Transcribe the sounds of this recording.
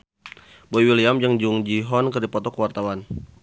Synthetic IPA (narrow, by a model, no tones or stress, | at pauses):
boiwiliamd͡ʒəŋd͡ʒuŋd͡ʒiɦɔnkərdipɔt̪ɔkəwart̪awan